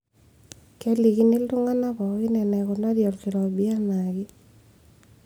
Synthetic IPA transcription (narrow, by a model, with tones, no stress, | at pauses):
kɛ˦li˨ki˦ni˦ldʊ˦ŋa˦na˦bɔ˨˦ɪ˦nɛ˨nɛ˨kʊ˨na˦djɔ˨lkɪ˨ɾɔ˨bi˦a˦na˨ɡɪ˦